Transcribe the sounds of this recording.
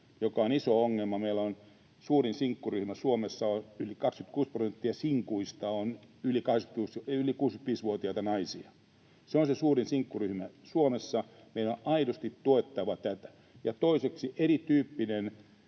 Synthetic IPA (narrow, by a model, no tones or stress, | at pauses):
jokɑonisooŋːelmɑmeilːˑæon | suːrinsiŋkːuryhmæsuomesːɑonylikɑkskyt̪̚kuːsprosent̪ːiɑsiŋkuist̪ɑonylikɑheksky̥t̪uːsylikuːskyt̪ʋiːsʋuot̪iɑt̪ɑnɑisiɑ | seonsesuːrinsiŋkːuryhmæsuomesːɑ | meilonʔɑidost̪it̪t̪uet̪ːɑʋɑt̪æt̪æ̥ | jɑt̪oiseksiʔerit̪yːpːinen